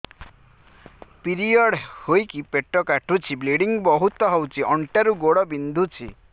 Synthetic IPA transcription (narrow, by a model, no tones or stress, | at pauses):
piɾiɔɽhojkipeʈɔkaʈʰut͡ʃʰibleɽiŋbɔɦut̪ɔɦɔwt͡ʃʰiʔɔɳʈaɾuɡoɽɔbind̪ʱut͡ʃʰḭ